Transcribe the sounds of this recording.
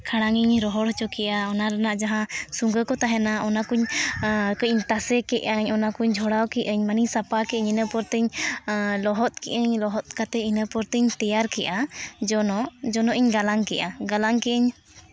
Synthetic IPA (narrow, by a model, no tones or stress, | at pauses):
kʰaɽ̃aŋiɲɾɔɦɔɽɔt͡ʃɔkɛʔaɔnaɾanaʔd͡ʒaɦãsuŋɡəkɔt̪aɦɛnaɔnakuɲ | kəʔiɲt̪asɛkɛʔaɲɔnakuɲd͡ʒʱɔɽawkɛʔəɲmaniɲsapakɛʔɛɲinəpɔɾt̪əɲ | lɔɦɔt̪̚kɛʔəɲlɔɦɔt̪̚kat̪ɛinəpɔɾt̪əɲt̪ɛjaɾkɛʔad͡ʒɔnɔʔd͡ʒɔnɔʔiɲɡalaŋkɛʔaɡalaŋkɛʔəɲ